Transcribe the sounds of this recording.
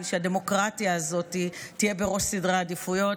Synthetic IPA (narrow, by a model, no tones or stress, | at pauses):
ʃeade̞mo̞kʁatijaːzo̞titije̞be̞ʁo̞ʃsidʁaadifujo̞